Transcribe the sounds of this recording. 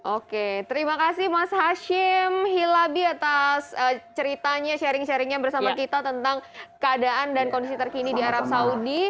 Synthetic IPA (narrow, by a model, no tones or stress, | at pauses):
ʔoket̪əɾimakasɪhmashaʃɪmɦilabiat̪asət͡ʃəɾit̪aɲaʃɛɾɪŋʃɛɾɪŋɲabərsamakit̪at̪ənt̪aŋkəadaʔandankondisit̪ərkinidiaɾab̚saudi